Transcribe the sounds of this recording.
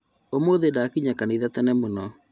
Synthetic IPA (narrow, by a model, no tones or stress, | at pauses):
omoðedakiɲakaniðatɛnɛmonɔ